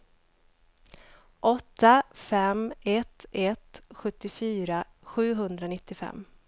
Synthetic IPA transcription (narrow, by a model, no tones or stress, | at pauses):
ʔɔt̪ːafɛmɛt̪ʰɛt̪ɧɵt̪ːɪfyːɾaɧʉ̟ːɦɵnd̪ɾanɪt̪ːɪfɛ̰mː